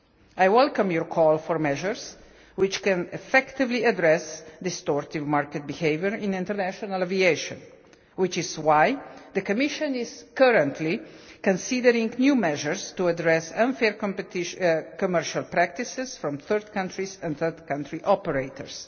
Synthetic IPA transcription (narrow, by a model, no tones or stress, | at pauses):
ajwɛlkə̃mjɔɹkʰɔlfɔɹmɛʒəɹs | wɪt͡ʃkɛ̃nɛfɛkt̪ɪvliadɹɛsd̪ɪst̪ɔɹt̪ivmaɹkɛt̪̚biheɪvjəɹɪ̃nɪ̃nt̪əɾnæʃɔnalavieʃɔ̰̃n | wɪt͡ʃɪzwajd̪əkɔmɪʃɔ̃nɪz̥kəɾə̃nt̪ʰlikɔ̃nsidəɾĩŋɡnjumɛʒəɹst̪uadɹɛsãnfɛɹkɔ̃mpɛtɪʃkɔmɛɹʃalpɾæk̚t̪isɛsfɾɔ̃mθəɾd̪̚kãntʰɹisɛ̃nθəd̪kãntʰɹiʔɔpəɹeɪt̪ʰə̰ɹs